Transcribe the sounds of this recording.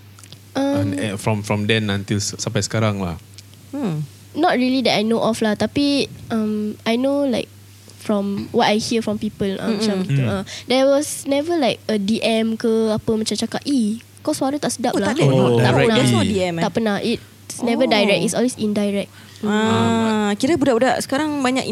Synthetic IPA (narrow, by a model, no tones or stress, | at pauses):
ʔãmɛfɹɔ̃mfɹɔ̃mdɛ̃nãnt̪ilssampajsə̥kaɾaŋla̰ | nɔt̚ɹiəlidɛtajnoʔɔflaht̪apiãmajnolaɪk̚ | fɹɔ̃mwɔt̚ajhiəfɹɔ̃mpipəlʔã̰mat͡ʃãmɡit̪uãdɛwɔsnɛvəlajk̚ədiʔɛ̃mkəapəmat͡ʃãmt͡ʃakaʔ̚i | kɔswaɾət̪aʔsədaplaaaɛənadɛsnɔdiɛ̃maʔpənahit̚ | snɛvədajɹɛk̚isɔlwesĩndajɹɛk̚ | a | kiɾəbudaʔbudaʔsə̥kaɾaŋbaɲa̰ki